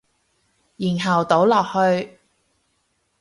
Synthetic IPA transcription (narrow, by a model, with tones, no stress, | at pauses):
jiː˨˩nɦɐ˨˩wt̪o˨˥wlɔː˨˩k̚hɵ˧ɥ